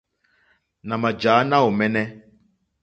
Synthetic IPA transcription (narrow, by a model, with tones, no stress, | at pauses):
nã˨mã˨d͡ʒaː˨˦nã˦o˨mɛ˦nɛ˦